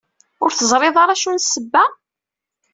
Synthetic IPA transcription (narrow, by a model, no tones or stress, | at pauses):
ʊɾθəzˤɾˤeðˤɑɾˤɑʃunsəbːæ